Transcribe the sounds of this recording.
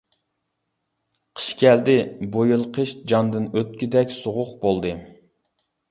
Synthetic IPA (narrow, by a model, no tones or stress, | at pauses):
qʰə̥ʃkʲɛld̪ɪbojɨlˠqʰəʃd͡ʒɑnd̪ɨnøt̪̚kʲid̪ɛkʲsoʁʊqbolˠd̪ɨ